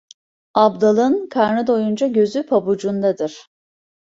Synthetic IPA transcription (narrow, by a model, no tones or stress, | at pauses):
abd̪alˠɯnkʰaɾnɯd̪ojund͡ʒaɟø̞zypʰabud͡ʒund̪ad̪ɯɾ̥